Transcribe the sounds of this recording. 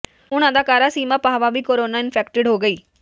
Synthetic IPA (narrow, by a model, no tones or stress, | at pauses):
ʊnãːd̪aːkaːɾaːsiːmãːpaːʋaːʋiːkoːɾoːnaːɪnpʰɛːkʈɪɖɦoːɡəiː